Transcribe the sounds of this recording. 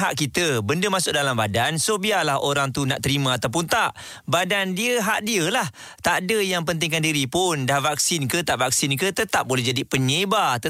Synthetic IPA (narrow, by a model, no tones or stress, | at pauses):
ɦaʔkit̪əbəndəmãsʊk̚dalambadansobialahoɾaŋt̪una̰ʔt̪əɾimãːt̪awp̬ʊnt̪aʔ | badandiəɦaʔdiəlah | t̪adəjaŋp̬ənt̪̬ɪŋkandiɾipʊndahvak̚sɪnkət̪aʔvak̚sɪnkət̪ət̪ap̚bolɛɦd͡ʒadipəɲebat̪ə